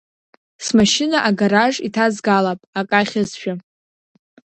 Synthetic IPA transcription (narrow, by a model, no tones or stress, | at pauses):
smaʃɪnaʔaɡaɾaʒitʰazɡalapʼakʼaχʲazʃᶣa